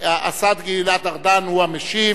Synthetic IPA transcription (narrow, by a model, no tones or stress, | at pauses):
aʔa̰sad̪ɡililat̪aʁd̪anhuameʃi